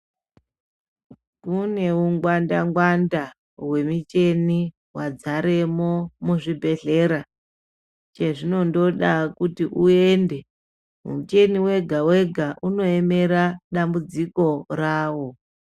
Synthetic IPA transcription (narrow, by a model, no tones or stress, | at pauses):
kune̞uŋɡwandaŋɡwanda | ɦwe̞mit͡ʃe̞ni | wad͡zaɾe̞mo̞muʐibʱe̞ɮe̞ɾa | t͡ʃe̞ʐino̞ndo̞ɗakutiʔue̞nde̞ | mṵmut͡ʃe̞niwe̞ɡʱawe̞ɡʱaʔuno̞e̞me̞ɾaɗambud͡ziko̞raːwo̞